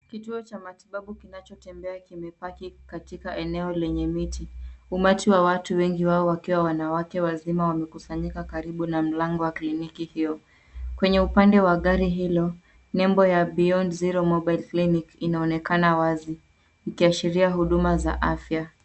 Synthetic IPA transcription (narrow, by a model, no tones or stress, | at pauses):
kituɔt͡ʃamatiɓaɓukinat͡ʃɔtɛmbɛakimɛpakikatikaʔɛnɛɔlɛɲɛmitiumatiwawatuwɛŋɡiwaɔwakiwawanawakɛwazimawamɛkusaɲikakaɾiɓunam̩laŋɡɔwaklinikihijɔ | kwɛɲɛupandɛwaɠaɾiɦilɔ | nɛmbɔjaɓiɔnziɾɔmɔɓajlklinikinaɔnɛkanawazi | ikiaʃiɾiaɦuɗumaza̰ʔafja